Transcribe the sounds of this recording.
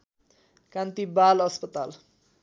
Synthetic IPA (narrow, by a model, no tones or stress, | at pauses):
kãnt̪ibalʌspʌt̪al